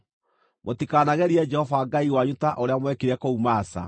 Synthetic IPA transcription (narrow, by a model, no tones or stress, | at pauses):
motikaːnaɣɛɾiɛd͡ʒɛhɔvaːɡaiwaɲutaʔoɾeamwɛkeɾɛkoumaːsa̰